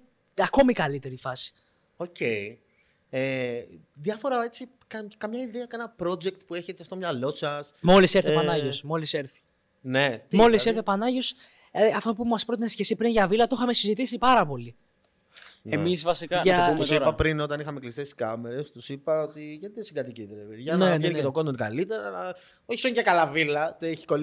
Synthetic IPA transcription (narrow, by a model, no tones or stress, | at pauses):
ɐko̞mikɐlit̪e̞ɾifɐsi̥ | o̞ce̞i | e | ðjɐfo̞ɾɐe̞t͡si | kɐkɐmɲɐiðeɐkɐnɐpɾo̞d͡ʒekt̪pue̞çet̪est̪omɲɐlo̞sɐsmo̞liseɾθepɐnɐʝosmo̞liseɾθi̥ | ne̞t̪mo̞liseɾθepɐnɐʝos | eɐft̪o̞pumɐspɾo̞t̪inesçesipɾinʝɐvilɐt̪oxɐmesizit̪isipɐɾɐpo̞li | emisvɐsikɐʝɐt̪usiɾɐpɾino̞t̪ɐnixɐmeklist̪eskɐmeɾest̪usipɐot̪iʝɐt̪iesiɡɐt̪iciðɾepeðiʝɐneʝeniet̪okonoinka̰lit̪eɾɐlɐ | oçi̥soncekɐlɐvilɐt̪eçi̥ko